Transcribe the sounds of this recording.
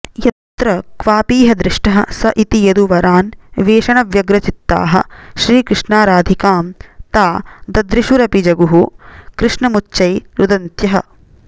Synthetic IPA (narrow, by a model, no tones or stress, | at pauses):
jɐt̪ɾɐkʋaːpiːɦɐd̪ɾɪʂʈɐɦɐ̆sɐʔit̪ijɐd̪uʋɐɾaːnʋeːʃɐɳɐʋjɐɡɾɐt͡ʃit̪ːa̰ːɦɐ̰̆ʃɾiːkɾɪʂɳaːɾaːd̪ʱikaːmt̪aːd̪ɐd̪ɾiʃuɾɐpid͡ʒɐɡuɦukɾɪʂɳɐmut͡ʃːt͡ʃːɐjɾud̪ɐnt̪jɐɦɐ̰